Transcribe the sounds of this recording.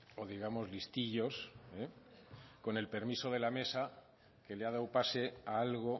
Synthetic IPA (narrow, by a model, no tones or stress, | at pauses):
o̞ðiɣamo̞zlist̪iʎo̞se | ko̞ne̞lpe̞ɾmiso̞ð̞e̞lame̞sa | ke̞leað̞awpase̞aalɣo̞